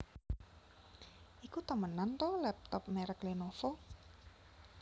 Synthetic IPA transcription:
ʔikut̪əmənant̪ɔlɛp̚t̪ɔp̚mɛɾəklenofo

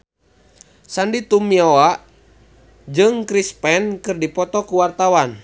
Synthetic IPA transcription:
sandit̪umiɔa | d͡ʒɨŋkɾispɛnkɨrdipɔt̪ɔkuwart̪awan

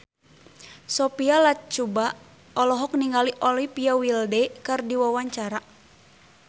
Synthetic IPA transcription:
sɔpialat͡ʃuba | ɔlɔɦɔkniŋɡaliʔɔlipiawildɛkɨrdiwawaɲt͡ʃaɾa

